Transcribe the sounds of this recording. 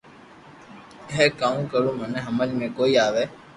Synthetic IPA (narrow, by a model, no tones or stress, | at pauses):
ɦeːkaːũːkəɾũːmənẽːɦəməlmẽkoːiːaːʋeː